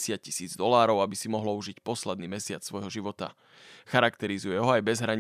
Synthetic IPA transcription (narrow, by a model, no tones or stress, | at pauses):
sɪac̚cisiːd͡zd̪ɔlaːɾɔʊabisimɔɦlɔuʒicpɔslɛd̪niːmɛsɪat͡ssʋɔjɦɔʒiʋɔt̪a̰ | xaɾakt̪ɛɾizujɛɦɔajbɛzɦɾaɲ